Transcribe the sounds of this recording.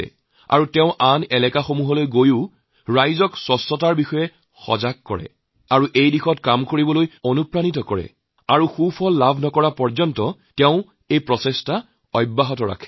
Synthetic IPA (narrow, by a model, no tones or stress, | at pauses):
ɛ̰ | a̰ɹutɛʊ̃ʔanɛlɛkaxomuɦɔlojɡojʊ | ɹajzɔkswɔsːɔtaɹbixɔjɛ | xɔ̰zaɡ̚kːɔ̰ɹɛ̰ | aɹuʔejdixɔtkamkoɹibɔlojonupɹanit̬ɔkɔɹɛ̰ | aɹuxupʰɔlːabʱnɔkɔɹapɔɹzɔntɔtɛʊ̃ | ejpɹɔsɛsta | ɔjbːaɦɔtɔɹa̰kʰɛ̥